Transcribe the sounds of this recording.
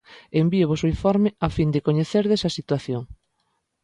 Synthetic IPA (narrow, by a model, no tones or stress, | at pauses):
embiʊβosoiɱfɔɾmɪafind̪ɪkoɲeθeɾðesɐsit̪waθjoŋ